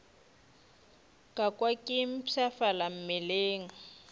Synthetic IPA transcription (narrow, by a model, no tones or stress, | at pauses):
kʼakʼwakʼɪm̩pʰafalam̩mɪleːŋ̩